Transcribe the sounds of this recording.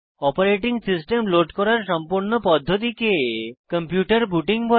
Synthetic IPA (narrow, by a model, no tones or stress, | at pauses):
ɔpoɾeʈiŋsisʈemloɖkɔɾaɾʃɔmpuɾnopɔd̪ʱːot̪̬ikekəmpjuʈaɾbuʈiŋbʱɔ